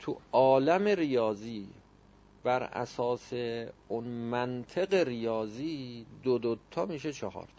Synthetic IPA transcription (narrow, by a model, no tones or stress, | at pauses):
t̪ʰuɒːlæme̞ɾijɒːziː | b̥æɾæ̰sɒːseunmænt̪ʰeɣeɾijɒːziːd̪od̪ot̪ʰːɒmiːʃet͡ʃʰɒhɒ̰ːɾt̪ʰ